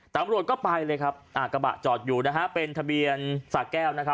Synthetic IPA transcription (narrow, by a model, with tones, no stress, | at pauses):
t̪a˨˧˦mɾu˨˩ət̪̚kɔː˥˩pa˧jlɤː˧jkʰa˦˥p̚ʔaː˨˩ka˧ba̰˨˩ʔt͡ɕɔː˨˩t̪̚juː˨˩na˦˥kʰa˦˥pe˧nt̪ʰa˧bi˧ənsaː˨˩kɛː˥˩wna˦˥kʰp̚